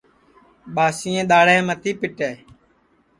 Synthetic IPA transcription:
ɓaːsɪːẽːɗ̪aːɽɛːmət̪ʰiːpɪʈeː

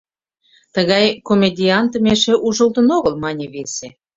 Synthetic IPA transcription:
t̪əɣɑjkomʲed̪ʲiɑnt̪əmeʃĕʔuʒə̆lt̪ə̆noɣəlmɑnʲeβese

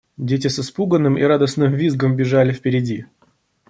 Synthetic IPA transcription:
dʲet̬ʲɪsɨspuɡənːɨmḭɾad̪əsnɨmvʲizɡəmbʲɪʐalʲɪfpʲɪɾʲɪdʲi

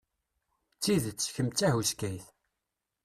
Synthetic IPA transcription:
t͡sːiðət͡sːçəmt͡sːæhuskæjθ

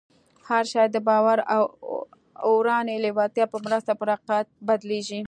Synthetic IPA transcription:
haɾʃɑjd̪əbɑwaɾaw | oɾɑnelewɑt̪jɑpəmɾəst̪apəɾaqat̪̚bad̪leʒi

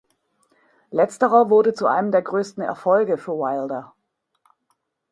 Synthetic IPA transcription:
lɛt͡stəʁɐvʊɐdət͡suʔa̰ɪnəmdeːɐɡʁøːstn̩ɛ̰ɐfɔlɡəfyːɐwaɪldɐ

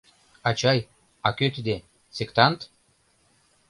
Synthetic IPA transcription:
ɑt͡ɕɑj | ɑkøt̪ed̪e | sekt̪ɑnt̪

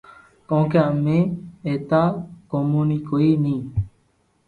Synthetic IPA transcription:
kõkeamẽet̪akomunikoiːnĩː

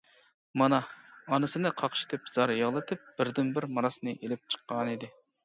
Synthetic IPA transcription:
mɑnɑːnɨsɨnɨqʰɑqʰʃt̪ʰɪpz̥ɑɾjɑʁlˠɨt̪ʰɪp̚b̥ɪɾd̪ɪnbɪɾmɑɾɑsnɨʔelɪp̚t͡ʃʰə̥qːɑnid̪ɪ

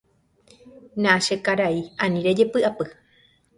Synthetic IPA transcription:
nãʃekaɾaiãnĩɾed͡ʒepɨapɨ

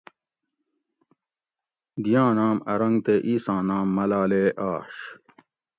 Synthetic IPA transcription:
d̪ijãːnaːmɐɾɐŋɡt̪eːʔiːsãːnaːmːɐlaːleːʔaːɕ

